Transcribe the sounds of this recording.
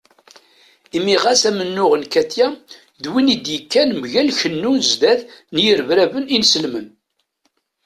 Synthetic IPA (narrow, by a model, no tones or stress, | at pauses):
imiʁæsæmənːʊʁənkæt̪jæ | ðwinid̪jəkːænmʝælçənːunzd̪æθnjəɾvɾævəninsəlmən